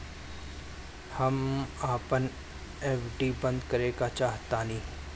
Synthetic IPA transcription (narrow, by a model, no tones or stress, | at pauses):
hɐmaːpən | eːfɖiːbə̃nd̪kəɾeːkat͡ʃaːɦt̪aːnĩː